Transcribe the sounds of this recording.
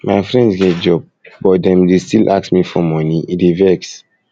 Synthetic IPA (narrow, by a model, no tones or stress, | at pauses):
maɪfɹɛ̃ndsɡɛ̃t̚d͡ʒɔb̚bɔt̚dɛ̃mdestilʔa̰ksmifɔmɔniidevɛks